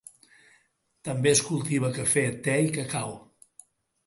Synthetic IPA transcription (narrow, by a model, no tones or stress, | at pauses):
t̪əmbeəskulˠt̪iβ̞əkəfet̪ɛikəkaw